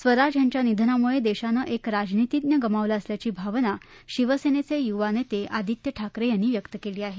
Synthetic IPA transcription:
sʋəɾad͡ʑjaɲt͡ɕjanid̪ʱənamuɭed̪eɕanəʔekɾad͡ʑnit̪id̪njəɡəmaʋlaəsljat͡ɕiːbʱaʋna | ɕiʋəsenet͡sejuʋanet̪eʔad̪ʱit̪jəʈʰakɾejanːiːʋjəkt̪əkeliːaɦe

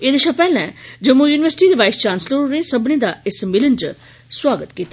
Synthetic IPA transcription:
eːd̪ɪʃãpɛːlɛ̃ːd͡ʒəmujuːnɪʋəɾsʈiːd̪eːʋaːɪst͡ʃãːnsləɾɾẽːsəbnẽːd̪aːɪsmɪlənd͡ʒ | swaːɡət̪kiːt̪a

